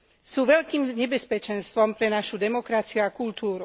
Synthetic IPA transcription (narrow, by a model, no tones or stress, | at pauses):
suːʋɛʎkiːmɲɛbɛspɛt͡ʃɛnst̪ʋɔmpɾɛnaʃud̪ɛmɔkɾat͡siuakult̪uːɾu